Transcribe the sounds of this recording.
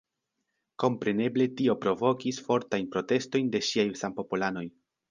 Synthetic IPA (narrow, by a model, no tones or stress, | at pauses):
ko̞mpɾe̞ne̞ble̞tio̞pɾo̞vo̞kisfo̞ɾtajnpɾo̞te̞sto̞jnde̞ʃiajsampo̞pulano̞j